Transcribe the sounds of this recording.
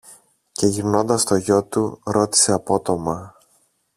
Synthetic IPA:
ce̞ʝivno̞nd̪ɐst̪o̞ʝo̞t̪uɾo̞t̪i̥se̞ɐpo̞t̪o̞mɐ

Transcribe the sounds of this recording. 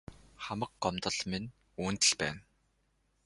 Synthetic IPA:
χamə̆kɢɔmt̪ə̆ɮmin | uːnt̪ɘ̆ɮpæ̰ːn

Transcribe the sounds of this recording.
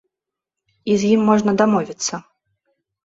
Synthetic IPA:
izʲjimːɔʐnɐd̪amɔvʲit̪sːɐ

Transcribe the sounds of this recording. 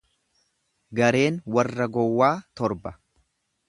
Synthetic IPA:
ɡɐɾe̞ːnwɐrːɐɡɔwːaːt̪ɔɾbɐ

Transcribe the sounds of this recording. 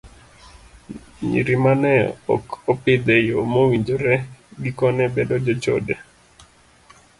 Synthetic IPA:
ɲḭɾimanɛɔ̰kopɪd̪ejomowiɲd͡ʒoɾɛɡikɔnɛbɛdɔd͡ʒɔt͡ʃo̰de

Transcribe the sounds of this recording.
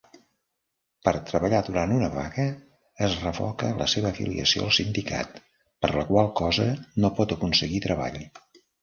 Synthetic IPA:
pəɾt̪ɾəβəʎaðuɾant̪unəβa̰ɣəː | zrəfɔ̰kələ̰seβəːfḭlḭə̰sio̰əlˠsind̪ika̰t̪ | pəɾləkwalˠkɔzənopɔt̪əkunsəɣit̪ɾəβa̰ʎ

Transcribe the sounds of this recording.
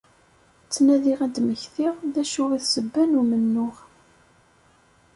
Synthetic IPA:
t͡sːnæðiʁæd̪məçθiʁðæʃʊʁiθsəbːænumənːʊʁ

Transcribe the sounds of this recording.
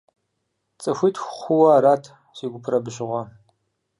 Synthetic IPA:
t͡sʼɨxʷiːtʰxʷχʷʊwɐɾaːtʰ | siːɡʷʊpʰrɐbɨɕɪʁʷɐ

